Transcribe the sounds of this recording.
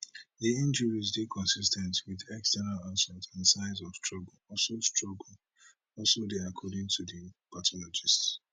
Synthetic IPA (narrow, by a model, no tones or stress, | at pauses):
diĩnd͡ʒəɹizdekʰɔ̃nsistɛ̃ntwiðɛkstɛnalasɛtãnsaɪ̃zɔfstɹɔɡlɔlsostɹɔɡl̩ | ɔlsodeakʰɔdɪ̃ŋtʰudipʰatʰɔlɔd͡ʒists